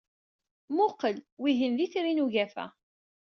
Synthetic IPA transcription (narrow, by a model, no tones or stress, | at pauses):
mʊqəlwiʝənðiθɾinuʝæfæ̰